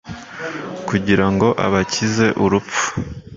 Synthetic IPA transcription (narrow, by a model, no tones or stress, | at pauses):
kuɟiɾaŋɡo̞ʔa̰βacize̞ʔuɾup͡fu̥